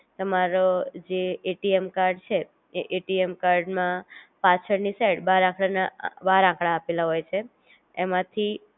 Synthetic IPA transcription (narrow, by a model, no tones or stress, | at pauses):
t̪əmaɾod͡ʒeeʈiemkaɾɖt͡ʃʰe | eʔeʈiemkaɾɖmãpãt͡ʃʰəɾniseɽbaɾãkɭanabaɾãkɭaːpelaɦojt͡ʃʰe | emãt̪ʰi